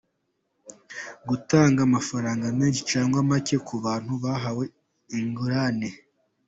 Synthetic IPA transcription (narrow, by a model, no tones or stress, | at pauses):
ɡutaːŋɡaːmafaɾaːŋɡameːnʃi̥t͡ʃaːŋɡwamace̞kʰuβaːn̥huβaɦawe̞ | iŋɡuɾane